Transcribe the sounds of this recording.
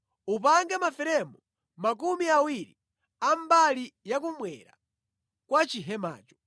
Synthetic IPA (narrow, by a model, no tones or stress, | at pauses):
up̬aŋɡɛmafɛɾɛmɔ | mak̬umiawiɾi | ambalijak̬umwɛ̰ɾa̰ | kwat͡ʃiɦɛma̰ːt͡ʃɔ̥